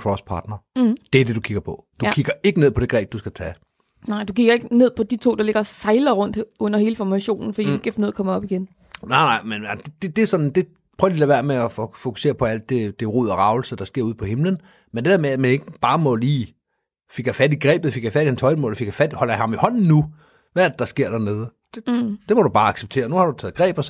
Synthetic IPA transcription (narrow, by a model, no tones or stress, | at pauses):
kʰʁɒspʰɑ̈ːd̥nɐd̥eæɐd̥e̝d̥ukʰiɡ̥ɐpʰɒ̽d̥ukʰiɡ̥ɐe̝ɡ̥ənḛpʰɒ̽d̥e̝ɡ̥ʁɛ̰ːb̥̚d̥usɡ̥æt͡sʰɛ | nɑɪ̰d̥ukiɡ̥ɐe̝ɡ̥ne̝ð̰ˠpʰɒ̽d̥it͡sʰo̝̰ːd̥ɑle̝ɡ̥ɐsɑ̈ɪlɐʁɔ̽n̰d̥ɔ̽n̰ɐhe̝ːləfɒmæɕo̝̰ːnn̩fɒd̥ḭeɡ̥æfnuð̰ˠɐkʰɒ̽mɒ̽b̥iɡ̥en | nɑɪ̰nɑ̈ɪmend̥ed̥e̝d̥e̝sɒ̽d̥n̩d̥e̝ | pʰœʊɐlilæʋæɐ̰meɒffo̝ku̥se̝̰ːɐpʰɒ̽æl̰d̥ːe̝d̥eʁuð̞̰ˠɒʁɑ̈ʊl̩səd̥ɑ̈sɡ̥e̝ɐ̰uð̞̰ˠpʰɒ̽he̝mlən | mend̥eʋeɐ̰meæmæne̝ɡ̥əb̥ɑ̈ːmɒ̽liː | fe̝ɡ̥jɐfæd̥iɡ̥ʁɛ̰ːb̥ð̩ˠfeɡ̥jɑfæd̥ihenshɒ̽ɪd̥mɔ̰ːlfe̝ɡ̥fæd̥ihɒ̽lɐjhɑ̈mihɒ̽n̰n̩nu | ʋææɐd̥ed̥ɑ̈sɡ̥e̝ɐ̰d̥æɐne̝ːðˠəd̥e̝d̥e̝mɒɾub̥ɑ̈ːɑ̈ɡ̥seb̥t͡sʰe̝̰ːɐnuhɑ̈ɾ̥ut͡sʰɛ̰ːð̩ˠɡ̥ʁɛ̰ːb̥ɒs